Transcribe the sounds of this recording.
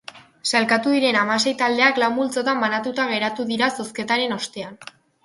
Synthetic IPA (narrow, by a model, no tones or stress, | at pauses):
salkat̪uðiɾe̞namas̬e̞jt̪ald̪e̞aklambult͡so̞t̪ambanat̪ut̪aɣ̞e̞ɾat̪uðiɾasoske̞t̪aɾe̞no̞st̪e̞an